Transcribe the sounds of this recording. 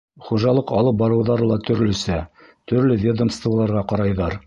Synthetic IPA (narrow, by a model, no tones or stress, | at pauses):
χuʒɑlˠɤqɑlˠɤp̚bɑɾɤ̆wðɑɾɤlˠɑt̪ɵ̆ɾlɵ̆sæ | t̪ɵ̆ɾlɘvʲed̪əmst̪vəlˠɑɾʁɑqɑɾɑjðɑɾ